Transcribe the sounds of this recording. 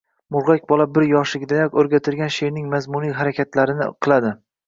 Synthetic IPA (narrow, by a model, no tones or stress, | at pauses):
mʊɾʁakʲbɒlˠabɪɾjɒʃlɪɡʲɪd̪ajɒkʲɵɾɡʲat̪ʰɪlɡʲanʃejnɪŋmazmʊnijɦaɾakʲat̪ʰlaɾɪnɪ̰qʰɨlˠad̪ɪ